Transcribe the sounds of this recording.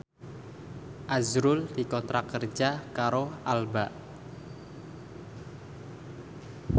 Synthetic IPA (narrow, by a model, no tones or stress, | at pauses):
ʔazɾʊld̪̥ikɔnt̪ɾakərd͡ʒakaɾoʔalbaʔ